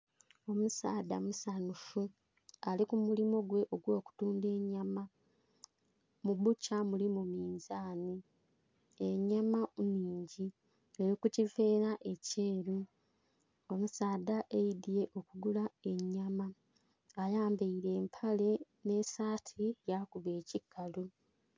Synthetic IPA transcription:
o̞musaːda̰musanufu | alikumulimo̞ɡwe̞ʔoɡwo̞ːku̥tuːndeːɲːama | muβucamulimumiːnzaːni | eɲamaniːɲɟi | eɾikucive̞ːɾaʔe̞ceːɾu | o̞musaːdaʔeidije̞ʔo̞kuɡulae̞ɲːama | ajaːmbeiɾe̞ːmpʰale̞ | ne̞saːtʰijakuβe̞ːcikʰːalu

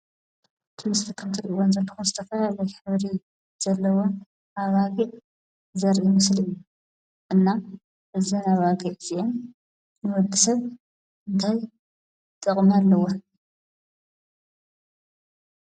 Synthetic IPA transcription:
t̪ʰɨmɨst̪ʰɨkʰɨmt̪ʰɨɾʔɨwonzɐlːɐxuzɨt̪ʰɐfɐjalɐjħɨβɾi | z̥ɐlːɐwo | ʔaβaɡiʕ | zɐɾʔimɨsliːu | ʔɨnːa | ʔɨzɐnaβaɡiʕziʔon | nɨwɔd̪ɨsɐβ | ɨnt̪ʰaj | t̪ʼɨkʼmalːɐwo

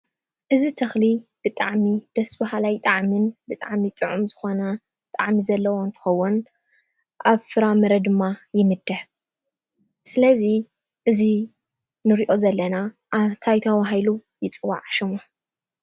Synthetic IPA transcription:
ʔɨzit̪ʰɐxlib̥ɨt̪ʼaʕmid̪̥ɐsbaɦalajt̪ʼaʕmɨnbɨt̪ʼaʕmit̪ʼɨʕumzɨxo̞nɐ | t̪ʼaʕmizɐlːɐwont̪ʰɨ̥xɐwːun | ʔaβfɨɾamɐɾɐd̪ɨmːajɪmɨd̪ːɨħ | sɨlɐzi | ʔɨzi | nɨɾiʔo̞zɐlːɐna | ʔaβt̪ʰajt̪ʰɐwaɦilu | jɪt͡sʼɨwa̰ʕʃɨma

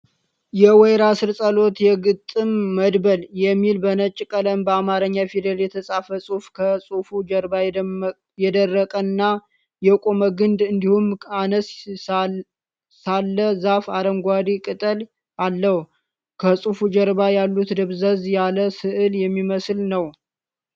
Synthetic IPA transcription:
jɛwɛjɾasɨɾsʼəlo̞t̪jɛɡɨt̪ʼːɨmːəd̪bəljɛmːilbənət͡ʃʼːkʼələmbəamaɾəɲːafid̪əljɛt̪ʰəsʼafəsʼufkʰəsʼufud͡ʒəɾbajɛ | jɛd̪ərːəkʼənːa | jɛkʼo̞məɡɨnd̪ɨnd̪ihumanəs | salːəzafaɾəmɡʷad̪ikʼɨt̪ʼəl | ʔalːəhu | kʰəsʼufud͡ʒəɾbajalːut̪d̪əβzəzjaləsɨʔɨljɛmːiməslnəw

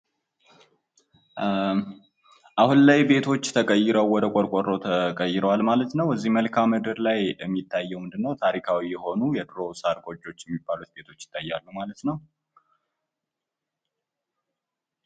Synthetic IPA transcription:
ʔahunlajbe̞t̪ʰo̞t͡ʃːt̪ʰəkʼəjːɪɾəwwɔd̪əkʼɔɾkʼorːo̞t̪ʰəkʼəjːɪɾəwalmalət̪nəwbəzːihməlkʰamɨd̪ɨɾlajɛmːit̪ʰːajːɛwmɨnd̪ɨnːəwt̪ʰaɾikʰawijɛho̞nujɛt̪ʼɨɾo̞saɾkʼo̞t͡ʃːo̞t͡ʃːjɛmːibːalut̪̚be̞t̪ʰo̞t͡ʃːjɪ̥t̪ʰːajːalːumalət̪nəw

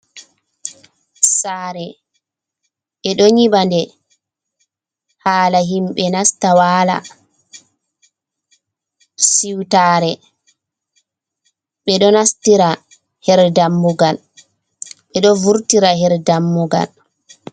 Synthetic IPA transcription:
saːɾɛ | ɓɛɗɔɲiɓandɛ | haːlaɦimɓɛnastawaːla̰ | siwtaːɾɛ | ɓɛɗɔnastiɾa | hɛɾdamːuɡal | ɓɛɗɔvuɾtiɾaɦɛɾdamːuɡa̰l

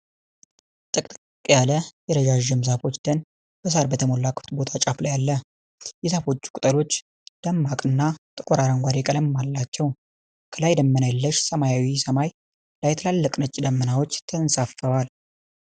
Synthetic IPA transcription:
t̪ʼɨkʼt̪ʼɨt̪ʼɨkʼjaləjɛɾəd͡ʒaʒɨmsafo̞t͡ʃːd̪̥ən | b̥əs̬aɾbət̪ʰəmo̞lːakɨft̪bo̞t̪ʰat͡ʃʼaflajalːə | jɛsafo̞t͡ʃːu̥kʼʊt̪ʼəlo̞t͡ʃː | d̪̥əmːakʼɨnːat̪ʼɨkʼoɾaɾəŋɡʷaɾekʼələmːalːat͡ʃːɛw | kʰəlajd̪əmːənəjalːəʃsəmajawisəmaj | lajɛt̪ʰəlalːəkʼnət͡ʃʼːɪd̪əmːənawo̞t͡ʃːt̪ʰənsafːəwal

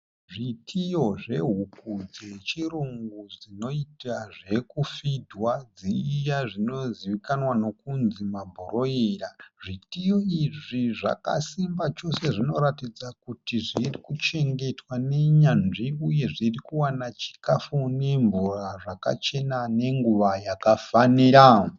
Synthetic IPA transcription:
ʐitʰijo̞ʐe̞ɦukud͡ze̞t͡ʃiruŋɡuzino̞itaʐe̞kufidʱwad͡ziijaʐino̞ziʋikanwano̞kunzimabʱuɾo̞iːɾaʐitijo̞iʐiʐa̰ka̰simbat͡ʃo̞se̞ʐino̞ɾatid͡zakutiʐirikut͡ʃe̞ŋɡe̞twane̞ɲanʐiuje̞ʐirikuwanat͡ʃi̥kafune̞ɱvuraʐaka̰t͡ʃe̞nane̞ŋɡuʋajakafaniɾa

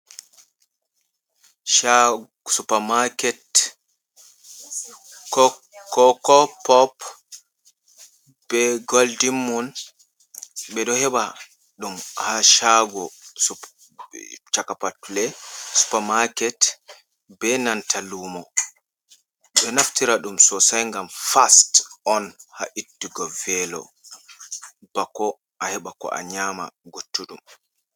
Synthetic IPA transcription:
ʃa | supamakɛt | kɔkɔpːɔp | b̥ɛɡoldimːɔn | ɓɛɗɔhɛba | ɗumhaʃaɡɔs | t͡ʃakapatːulɛsu̥pamakɛt | bɛnantaluːmɔ | ɓɛnaftiɾaɗumsɔsajŋɡamfastɔnhaʔitːiɡɔvɛlɔ̰ | b̥akɔ | ʔahɛɓakɔ̰ʔa̰ɲama̰ɡotːuɗum

